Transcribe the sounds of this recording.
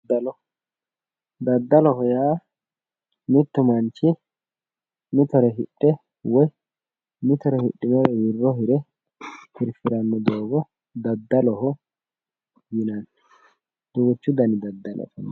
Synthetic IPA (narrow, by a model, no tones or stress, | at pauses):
d̪ːɐlɔ | d̪ɐd̪ːɐlɔhɔjaː | mɪt̪ːʊmɐnt͡ʃːɪ | mɪt̪ɔɾɛɦɪɗʼːɛ | wɔj | mɪt̪ɔɾɛhɪɗʼːɪmɛɾɛjɪrːɔɦɪɾɛ | hɪɾfɪɾɐnːɔd̪oːɡɔ | d̪ɐd̪ːɐlɔɦɔ | jɪnɐn | d̪̥oɡɔt͡ʃːʊd̪ɐnɪd̪ɐd̪ːɐlɔ̰fɔn